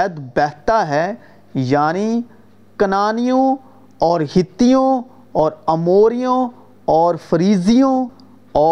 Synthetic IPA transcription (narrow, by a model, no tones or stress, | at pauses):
d̪bɛːɦt̪aɦɛ | jaːni | kɐnaːnijõ | ɔːɾɦɪt̪ːijõ | ɔːɾɐmoːɾijõ | ɔːɾfɐɾiːzijõ | ɔː